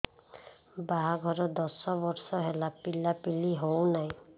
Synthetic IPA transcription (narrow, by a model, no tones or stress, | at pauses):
baɦaɡʱɔɾɔd̪ɔsɔbɔɾsɔɦelapilapiliɦownaj̃